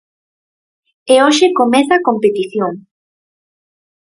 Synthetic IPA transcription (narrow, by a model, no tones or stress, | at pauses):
eoʃekomeθakompet̪iθjoŋ